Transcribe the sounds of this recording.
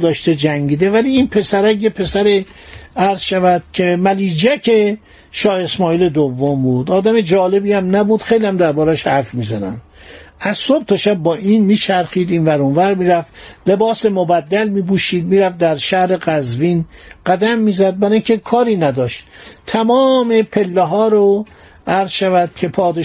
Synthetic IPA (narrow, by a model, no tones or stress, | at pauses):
d̪ɒːʃt̪ed͡ʒæŋɟiːd̪evæliːiːnpʰe̞sæɾæjjepʰe̞sæɾe | æɾzʃævæd̪̥̚cʰe̞mæliːd͡ʒækʰe | ʃɒːhe̞smɒːiːle̞d̪ovːombuːd̪ɒːd̪æme̞d͡ʒɒːle̞biːæmnæbuːd̪̥xejliæmd̪æɾbɒːɾæʃhæɾfmiːzænæ̰nd | æzsob̚t̪oʃæb̚ːɒːʔiːnmiːt͡ʃʰæɾxiːd̪iːnvæɾonvæɾmiːɾæfle̞bɒːse̞mobæd̪ːælmiːbuːʃiːd̪miːɾæfd̪æɾʃæhɾe̞ɡæzviːnɢ̥æd̪æmːiːzæd̪̚bæɾɒːĩŋkʲʰe̞kʰɒːɾiːnæd̪ɒːʃt̪t̪ʰæmɒːmepʰe̞lːeɦɒːɾo | æɾz̥ʃævæd̪̥cʲʰe̞pʰɒːd̪e